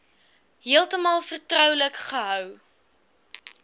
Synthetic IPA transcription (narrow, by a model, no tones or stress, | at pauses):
ɦiəlˠtəmɑːlˠfərtrœwləkχəɦœw